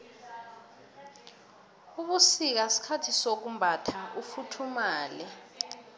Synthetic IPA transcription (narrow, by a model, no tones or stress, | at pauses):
uɓusik̬asi̥kʰatʰisok̬umbʱatʰaufutʰumaːlɛ